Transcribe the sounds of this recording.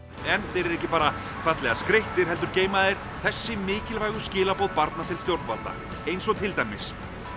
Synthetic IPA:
ɛnθejɾɛɾɛhcɪpaːɾa | kʰvat̪lɛɣaskɾeht̪ɪɾ̥ɦɛl̪t̪ʏɾceːjmaðejɾ̥ | θɛsːɪmɪːcɪlvaːjɣʏscɪːlapowðpaɾt̪nat̪ʰɪlst̪jowɾt̪nvalt̪a̰ | ejnsɔɣt̪ʰɪlt̪ajmːɪs

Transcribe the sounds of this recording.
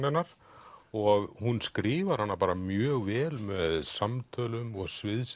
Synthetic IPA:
ɪnaɾ̥ | ɔɣhunskɾɪːvaɾ̥hanːapaːɾamjœːɣvɛːlmɛðsamt̪ʰœːlʏmɔɣsvɪðs

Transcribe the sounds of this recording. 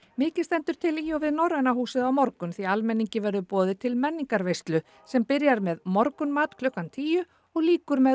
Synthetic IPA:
mɪːcɪl̥st̪ɛnt̪ʏɾ̥t̪ʰɪliɔvɪðnɔɾanahuːsɪðawmɔɾkʏmθialmɛnːiɲcɪvɛɾðʏpɔːðɪt̪ʰɪlmɛnːiŋkaɾvejst̪lʏ | sɛmpɪɾjaɾmɛðmɔɾkʏnmaːt̪kʰlʏhkant̪ʰiːjʏ | ɔɣliːkʏɾmɛ

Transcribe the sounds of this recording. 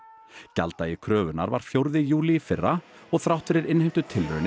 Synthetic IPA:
ca̰lt̪ajɪkʰɾœːvʏna̰ɾva̰ɾ̥fjowɾðɪjuːliːfɪrːa | ɔɣθɾawht̪ɪɾɪɾɪnhɪjm̥t̪ʏt̪ʰɪlɾœ̰nɪ

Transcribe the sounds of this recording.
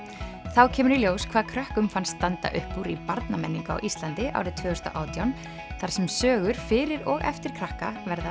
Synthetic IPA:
θawcʰɛːmʏɾiljoːwskʰvaːðkʰɾœhkʏmfanst̪ːant̪a̰ʔʏ̰hpːuɾipaɾt̪namɛnːiŋkʏa̰wʔist̪lant̪ɪʔa̰wɾɪðt̪ʰvœːhʏst̪a̰ʔa̰ːwt̪jawn | θaɾ̥sɛmsœːɣʏɾ̥fɪɾɪɾɔɣɛ̰ft̪ɪɾ̥kʰɾahka̰vɛɾða

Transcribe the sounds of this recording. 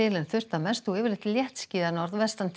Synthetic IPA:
ɪːlɪnθʏr̥t̪amɛst̪uɪːvɪɾlɪht̪ɪljɛht̪sciːðanɔɾðvɛst̪ant̪ʰ

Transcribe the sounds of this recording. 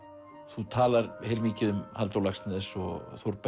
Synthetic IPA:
θut̪ʰaːlaɾheɾmiːcɪðʏmhalt̪owlaxsnɪðsɔ̰ɣθowɾp

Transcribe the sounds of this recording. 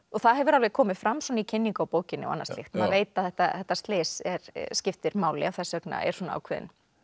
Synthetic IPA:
ɔθaðɦɛvʏɾalvɛkʰɔːmɪðfɾamːsɔnicʰɪnːiŋkaɔwpoːwcɪnːɪɔ̰a̰nːaɾst̪lɪ̰xt̪maðveːjt̪aðθɛht̪ːaθɛht̪ːast̪lɪːsɛɾscɪft̪ɪɾmaːwlɪ̰awθɛsːœkna̰ɛ̰ɾ̥sɔnaa̰wkʰvɛːðɪ̰n

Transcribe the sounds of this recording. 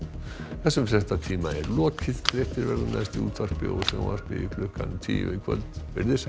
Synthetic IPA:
θɛsːʏmsɛst̪at̪ʰiːmaɛɾlɔːkʰɪðtɾɛft̪ɪɾvɛɾlʏnast̪iṵt̪ʰar̥pɪ̰ɔsɛɣ̰a̰r̥pɪikʰlʏka̰nt̪ʰḭːmɪkʰvœ̰lt̪vɪɾðɪs

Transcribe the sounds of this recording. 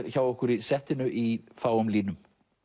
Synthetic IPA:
ɾçaːwɔhkʏɾisɛht̪ɪnʏʔifaːwʏmliːnʏm

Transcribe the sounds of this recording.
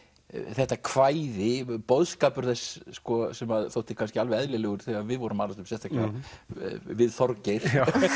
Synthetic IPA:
θɛht̪akʰvaːjðɪpowðskaːpʏɾ̥θɛsːkɔsɛmaðθowht̪ɪkʰanscɪalvɛɛðlɪlɛːɣʏɾ̥θɛɣavɪðvɔɾʏmaːlast̪ʏmsjɛst̪aclɛa | vɪðθɔɾcɪɾ̥

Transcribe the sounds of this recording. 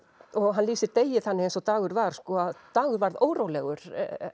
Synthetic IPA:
ɔɣɦanliːsɪɾt̪eːjɪθanːɪejnsɔt̪aːɣʏɾvaɾ̥skɔaðt̪aːɣʏɾvaɾðoːwɾowlɛɣʏɾ̥

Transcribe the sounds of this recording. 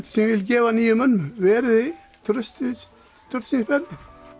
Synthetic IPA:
t̪sɛmvɪlcɛːvaniːjʏmœnːmʏvɛːɾðɪ | t̪ʰɾʏst̪s | t̪ʰʏɾt̪sinsfɛɾðɪ

